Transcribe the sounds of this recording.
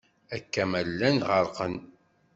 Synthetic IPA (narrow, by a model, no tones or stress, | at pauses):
ækːæmælːænʁəɾˤqən